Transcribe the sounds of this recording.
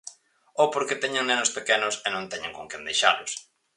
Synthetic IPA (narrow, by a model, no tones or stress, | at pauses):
opoɾket̪ɛɲaŋnenʊspekɛnʊsenõnt̪ɛɲãŋkoŋkend̪ejʃalʊs